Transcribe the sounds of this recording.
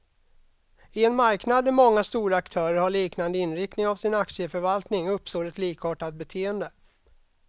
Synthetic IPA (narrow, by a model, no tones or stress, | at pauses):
ɪɛnmaɾknad̪ɛɾmɔŋːast̪uːɾaːkt̪ʰœːɾəɾhaɭiːknand̪əɪnɾɪk̚t̪nɪŋavsɪnakt̪sɪəfœɾvalt̪nɪŋɵpːst̪oːɾɛt̪liːkhoːʈat̪̚bɛt̪ʰeːənd̪ə